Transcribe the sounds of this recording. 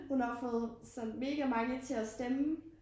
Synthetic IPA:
hunhɑ̈fɔ̽ːð̩ˠsɒ̽nme̝ːɡ̥æmɑ̈ŋət͡sʰe̝æsd̥em

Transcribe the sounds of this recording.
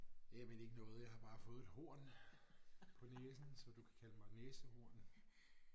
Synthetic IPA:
jæmene̝ɡ̥ənɔ̽ːð̞̩ˠjɑ̈ɪhɑ̈b̥ɑ̈ːfɔ̽ːð̞̩ˠe̝d̥ho̝ɐ̰n | pʰɒ̽neːsn̩sɒ̽d̥ukʰæ̥kʰæləmɑ̈ɪneːsəho̝ɐ̰n

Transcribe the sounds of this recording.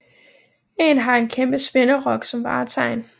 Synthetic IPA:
e̝nɦɑ̈e̝nkʰemb̥əsʋ̥enɐʁɒ̽ɡ̥sɒ̽mʋɑ̈ːt͡sʰɑ̈ɪ̰n

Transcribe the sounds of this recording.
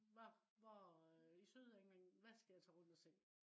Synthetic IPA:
ʋɒʋɒisøð̞ˠeŋeŋ̰ʋæsɡ̥æjɑ̈t͡sʰɛːʁɔ̽n̰d̥ɐsʰeŋ̰

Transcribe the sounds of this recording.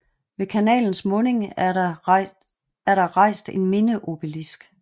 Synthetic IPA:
ʋe̝kʰænɛ̰ːln̩smɔ̽ne̝ŋ | æɐɾ̥ɑ̈ʁɑ̈ɪ̰sd̥e̝nme̝nəʔo̝b̥ilisɡ̥

